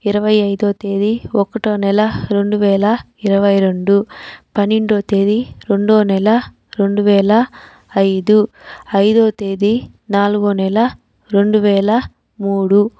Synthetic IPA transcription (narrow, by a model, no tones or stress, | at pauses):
iɾɐʋɐjɐjd̪oːt̪eːd̪iɔkːɐʈoːnɛlɐɾe̞ɳɖuʋɛːlɐ | iɾɐʋɐjɾeɳɖupɐnːiɳɖoːt̪eːd̪iɾe̞ɳɖoːnɛlɐ | ɾe̞ɳɖuʋɛːɭɐ | ɐjd̪uɐjd̪oːt̪eːd̪i | naːluɡoːnɛlɐ | ɾe̞ɳɖuʋɛːɭɐ | muːɽu